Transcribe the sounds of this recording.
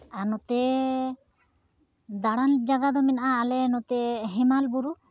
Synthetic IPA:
anɔt̪ɛ | d̪aɽand͡ʒaɡad̪ɔmɛnaʔaːlɛnɔt̪ɛɦɛmalbuɾu

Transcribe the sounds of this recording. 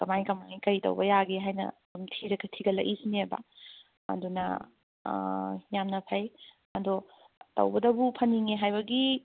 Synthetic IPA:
kɐmajkɐmajkɐjtɐ̰wbɐjaɡeɦajnɐ̰dumtʰiɾɐɡɐtʰiɡɐlɐ̰ʔisneba̰ | ɐ̰dunɐ̰ | jamnɐpʰɐj | ɐdɔ | tɐ̰wbɐdɐbupʰɐniŋeɦajbɐɡi

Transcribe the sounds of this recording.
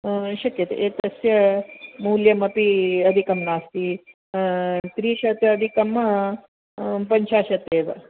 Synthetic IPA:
ʃɐkjɐt̪ḛʔeːt̪ɐsjɐmuːljɐmɐpiɐd̪ʱikɐmnaːst̪i | t̪ɾiːʃɐt̪jɐːd̪ʱikɐmːɐ | pɐɲt͡ʃaːʃɐt̪eːʋɐ̰

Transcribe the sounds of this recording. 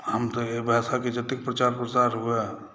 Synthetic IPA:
həmt̪ɔebʱasaked͡ʒət̪ik̚pɾət͡ʃaɾpɾət͡ʃaɾɦuɛ

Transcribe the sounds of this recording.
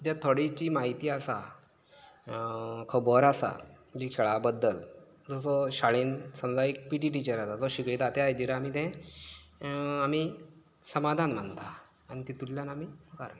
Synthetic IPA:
d͡ʑɛt̪ʰoɽit͡ɕiːmaɦit̪iːasa | kʰəbɔɾasa̰d͡ʑikʰeɭabəd̪ːəl | d͡zɔsɔɕaɭiːnsəmd͡zaik̚piʈ̬iːʈ̬it͡ɕəɾasad͡zɔɕikɭit̪at̪eajd͡ʑiɾəamiːt̪ɛ̃ | amiː | səmad̪ʱanm̤ənt̪aː | ñit̪it̪ulːjanamiːməkaɾa

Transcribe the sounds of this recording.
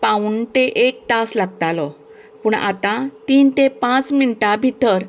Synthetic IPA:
pauɳʈ̪eʔek̚t̪aslaɡt̪alɔ | puːɳa̰t̪ãt̪iːnt̪epãt͡sminʈabʱit̪əɾ

